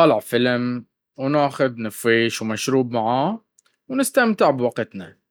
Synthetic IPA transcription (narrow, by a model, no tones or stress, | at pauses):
ɑːlɪʕfɪlm | wnaːxʊd̪nɪfeːʃwmaʃɾuːb̚maʕaː | wnɪst̪amt̪ɪʕbwɑqt̪na